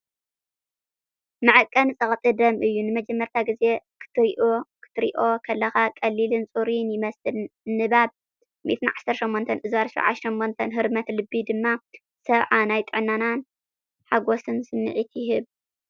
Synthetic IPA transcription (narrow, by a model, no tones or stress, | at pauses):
mɨʕɨkʼːɐnɨsʼɐχʼt̪ʼɨd̪ɐmʔɨjːunɨmɐd͡ʒɛmːɐɾt̪ʰaɡɨze̞kʰɨ̥t̪ʰɨɾiʔokʰɨ̥t̪ʰɨɾḭʔo̞kʰɐlːɐxakʼɐlːilɨnt͡sʼuɾinjɪmɐsɨlnɨβaβ̚ | mḭt̪ʰɨnʕasɐɾʃomːont̪ʰɐnʔɨzwaɾʃḭʕa̰ʃɐmːont̪ʰɐnɦɨɾmɐt̪lɨbːid̪ɨmːa | sɐβʕanajt̪ʼɨʕnanan | ħaɡo̞sɨnsɨnːɨʕit̪ʰjɪɦɨβ